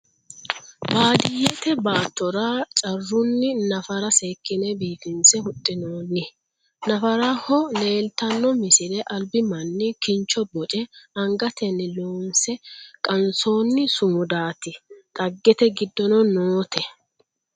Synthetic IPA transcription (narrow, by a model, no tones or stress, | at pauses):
baːd̪ɪjːɛt̪ɛbaːt̪ːɔɾat͡ʃʼɐrːʊnːɪnɐfɐɾɐse̞ːkːɪnɛbiːfɪnsɛhʊtʼːɪnoːnːɪ | nɐfɐɾɐhɔle̞ːlt̪ɐnːɔmɪsɪlɛʔɐlbɪmɐnːɪkɪnt͡ʃːɔbɔt͡ʃʼɛɐŋɡɐt̪ɛnːɪloːnsɛkʼɐnso̞ːnːɪsʊmʊd̪aːt̪ɪt̪ʼɐɡːɛt̪ɛɡɪd̪ːɔnɔnoːt̪ɛ